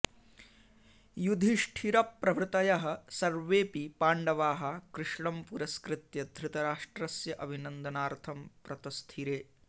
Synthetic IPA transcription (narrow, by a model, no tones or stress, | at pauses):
jud̪ʱiʂʈʰiɾɐpːɾɐʋɾɨt̪ɐjɐɦɐ̆sɐɾʋeːpipaːɳɖɐʋaːɦɐ̆kɾɪʂɳɐmpuɾɐskɾɪt̪jɐd̪ʱɾɪt̪ɐɾaːʂʈɾɐsjɐʔɐbʱinɐnd̪ɐnaːɾt̪ʰɐmpɾɐt̪ɐst̪ʰiɾeː